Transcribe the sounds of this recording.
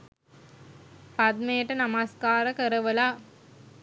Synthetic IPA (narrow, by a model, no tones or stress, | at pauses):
pɐd̪̚meːʈːɐnɐmaskaːɾɐkɐɾɐʋɐlaː